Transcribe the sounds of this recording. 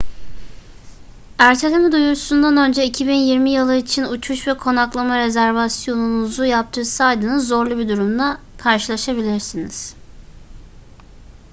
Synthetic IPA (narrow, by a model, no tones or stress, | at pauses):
æɾt̪ʰelʲemid̪ujuɾʰu̥sund̪anø̞nd͡ʒɛicʰibinjiɾmijɯlˠɯit͡ʃʰinut͡ʃʰuʃvɛkʰo̞naklˠamaɾe̞zæɾvasjo̞nunuzujap̚t̪ʰɯɾsajd̪ɯnɯo̞ɾlˠubid̪uɾumd̪ˠakʰaɾʃɯlˠaʃabilʲiɾsiniz̥